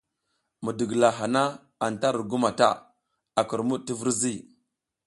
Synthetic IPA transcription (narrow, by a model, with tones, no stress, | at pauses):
mu˨di˨ɡla˨ɦa˨na˦ | a˨n˨ta˦ɾu˨ɡu˦ma˨ta̰˦ | a˨ki˨ɾmu˦ti˦vu˦ɾzi˦